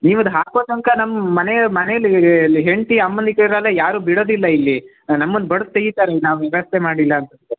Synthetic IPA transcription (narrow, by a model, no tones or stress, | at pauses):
niːʋɐnd̪ɦaːkoːsɐŋkɐnɐmːɐmɐnejmɐnejɐlːilːiɦeɳt̪iɐmːɐnd̪ikeiɾɐlːejaːɾuːbiɽo̞ːd̪ilːɐilːi | nɐmːɐnd̪bɐɽust̪eɡit̪aːɾenaːʋʋɛʋɐst̪ʰemaːɽilːɐːnt̪ɐnt̪ːe